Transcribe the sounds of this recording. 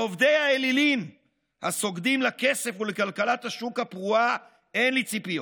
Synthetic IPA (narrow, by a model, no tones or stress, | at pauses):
ovd̪ejaelilim | haso̞ɡd̪imlake̞se̞fulekalkalat̪haʃukapʁua | enlit͡sipijo